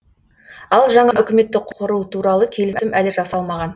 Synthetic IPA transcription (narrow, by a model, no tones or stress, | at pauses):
ɑlˠʒɑɴɑʔʏkʲɪme̞t̪ːɪqʰʊɾut̪ʰuɾɑlˠəkʲʰe̞lɪsɪmʔælɪʒɑsɑlˠmɑʁɑn